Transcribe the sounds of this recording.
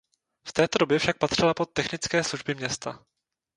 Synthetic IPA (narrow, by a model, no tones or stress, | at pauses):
ft̪ɛːt̪o̞dobjɛfʃak̚pat̪r̝̥ɪlapo̞t̪ːɛxnɪt͡skɛːsluʒbɪmɲɛst̪a